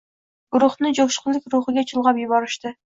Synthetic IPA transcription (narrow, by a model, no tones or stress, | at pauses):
ɡ̥uɾʊχnɨd͡ʒokʃqʰʊlˠːɪkʲɾuχɨɡʲɛt͡ʃʰɨlˠʁɑpjubɑɾɨʃt̪ɨ